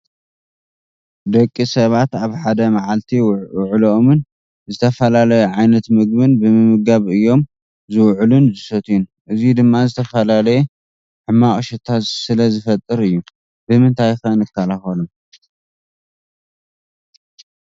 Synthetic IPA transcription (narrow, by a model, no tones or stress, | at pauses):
d̪ɐkʼːisɐβat̪aβħad̪ɐmaʕalt̪ʰiwʊʕloomɨn | zɨt̪ʰɐfɐlalɐjɛʕajnɐt̪mɨɡbɨnbɨmɨmɨɡaβɨjːo̞m | zɨwʕlunzɨsot̪ʰjunʔɨzid̪ɨmːazɨt̪ʰɐfɐlalɐjɛ | ħɨmːaχʼʃɐt̪ʰat̪sɨlɐzɨfɐt̪ʼːɨɾɨjːu | bɨmɨnt̪ʰajxɐnɨkːalaxɐlum